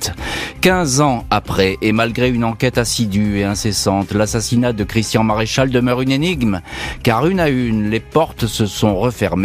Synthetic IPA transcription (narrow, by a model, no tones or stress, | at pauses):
kɛ̃zɑ̃apχɛʔemalɡʁeynɑ̃kɛt̪asid̪yeɛ̃sesɑ̃t̪lasasinad̪əkχist̪jɑ̃maʁeʃald̪əmœʁyneniɡmkaʁynaynlepɔʁt̪səsɔ̃ʁəfɛʁme